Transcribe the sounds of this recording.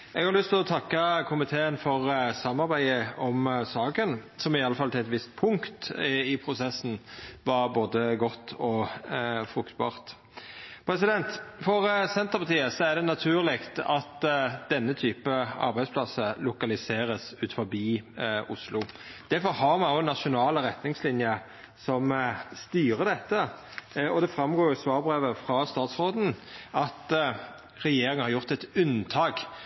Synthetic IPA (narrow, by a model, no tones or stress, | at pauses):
ʔɛ̰ɡhɑɾlʏst̪ɪlɔt̪ʰɑkːəkʰʊmɪt̪ʰeːənfɔʁsɑmːɑɾbæɪəɔmsɑːkənsɔmɪɑlːəfɑlt̪ʰɪlɛt̪ʋɪst̪̚pʰʊŋkkt̪ɪpʰɾʊsɛsːn̩ʋɑɾboːd̪əɡɔt̪ːɔ | fɾʉkt̪̚bɑ̰ːʁt̪ | pʰɾɛsɪd̪ɛnt̪fɔɾsɛnt̪əɾpɑt̪ʰiːəsɔæd̪ɛnɑt̪ʰʉːʁlɪɡt̪ɑt̪d̪̥ɛnːət̪ʰyːpəɑ̰ɾbæɪd̪spʰlɑsəlʊkɑlɪseːɾəsʉːt̪fɔɾbiːʊslʊ | d̪̥æɾfɔɾhɑɾmɑnonːɑʃʊnɑːləɾɛt̪nɪŋslɪnjə | sɔmst̪yːɾəd̪ɛt̪ːə | ɔd̪ɛfɾɑmɡoːɾjʊsʋɑːʁbɾeːʋəfɾɑst̪ɑːt̪sʁoːd̪n̩ɑt̪ | ʁɛjeːɾɪŋənhɑʁjʊʁt̪ɛt̪ʉnt̪ʰɑːɡ